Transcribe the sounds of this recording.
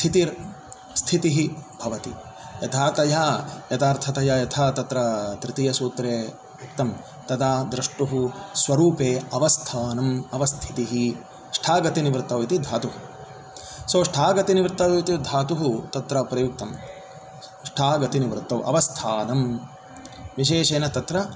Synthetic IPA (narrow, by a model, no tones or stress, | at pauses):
st̪ʰit̪iɾ | st̪ʰit̪iɦibʱɐʋɐt̪i | jɐt̪ʰaːt̪ɐjaːjɐt̪aːɾt̪ʰɐt̪ɐjaːjɐt̪ʰaːt̪ɐt̪ɾɐt̪ɾɪt̪ijɐsuːt̪ɾeː | ukt̪ɐm | t̪ɐd̪aːd̪ɾɐʂʈuɦusʋɐɾuːpeːɐʋɐst̪ʰaːnɐmɐʋɐst̪ʰi̥t̪iɦi | ʂʈʰaːɡɐt̪iniʋɾt̪ɐʋit̪id̪ʱaːt̪uɦu | soːʂʈʰaːɡɐt̪iniʋɾt̪ɐuit̪id̪ʱaːt̪uɦut̪ɐt̪ɾɐpɾɐjuk̚t̪ɐm | ʂʈʰaːɡɐt̪iniʋɾt̪ːɐwʔɐ̰ʋɐst̪ʰaːnɐm | ʋiʃ̬eːʃeːnɐt̪ɐt̪ɾɐ